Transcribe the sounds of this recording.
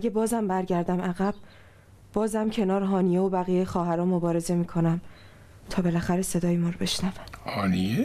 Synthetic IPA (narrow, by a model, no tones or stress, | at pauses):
ʔæɟebɒːzæmbæɾɟæɾd̪æmæɣæb̥̚ | b̥ɒːzæmcʰe̞nɒːɾɦɒːnije̞obæɣijejxɒːɦæɾɒːmo̞bɒːɾeze̞miːkʰo̞næm | t̪ʰɒːbe̞læxæɾe̞se̞d̪ɒːjemɒːɾobe̞ʃnævæmhɒnije